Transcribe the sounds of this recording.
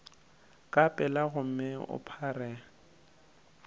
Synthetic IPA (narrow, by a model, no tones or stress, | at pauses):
kʼapʼɛlaɣʊm̩mɪʊ̰pʰarɛ